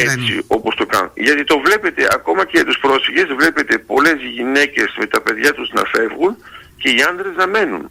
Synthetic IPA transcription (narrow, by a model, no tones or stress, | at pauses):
et̪sḭo̞post̪o̞kɐ̰nʝɐt̪it̪o̞vle̞pe̞t̪eʔɐ̰ko̞mɐceʝɐt̪uspɾo̞sfiʝe̞zvle̞pe̞t̪e̞po̞le̞zʝine̞ce̞zme̞t̪ɐpe̞ðʝɐt̪uznɐ̰fe̞vɣun | ce̞iɐnd̪ɾeznɐme̞nṵn